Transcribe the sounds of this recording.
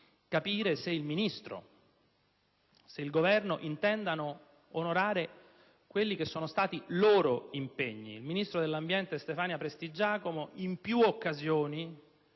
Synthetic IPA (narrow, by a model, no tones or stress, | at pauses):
kapiːɾeseilminist̪ɾo̰ | seilɡovɛrnoʔint̪ɛnd̪ano | onoɾaːɾe | kwelːik̟esːoːnost̪aːt̪iloːɾoimpeɲːḭːlminist̪ɾod̪elːambjɛnt̪est̪efaːnjapɾest̪id͡ʒaːkomoʔimpjuokːazjoːni